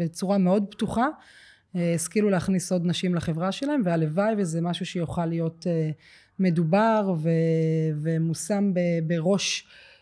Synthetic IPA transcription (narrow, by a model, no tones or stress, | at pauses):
bet͡suʁame̞o̞dbtuχa | eeskiluleaχniso̞d̪naʃimlaχe̞vʁaʃelae̞mvealevajvezemaʃuʃejuχalijo̞te | me̞dubaʁvevemusambebeʁo̞ʃ